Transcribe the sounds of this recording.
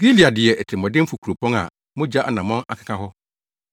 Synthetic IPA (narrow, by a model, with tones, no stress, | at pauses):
ɡi˦li˨a˨dɪ˨ɛ˨ɛ˨tʰɪ˨mɔ̃˨dɪ̃˦m̩˦fu˨kʰu˨ɾo˨pʰɔ̃˦ŋa̰˨ | mʊ̃˦d͡ʑa˦ʔa˨nã˨mɔ̃˦na̰˨kʰḁ˨kʰa˦ɦɔ˦